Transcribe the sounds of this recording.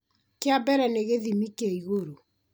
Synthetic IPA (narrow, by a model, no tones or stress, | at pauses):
keabɛɾɛneɣeðimikeiɣoɾo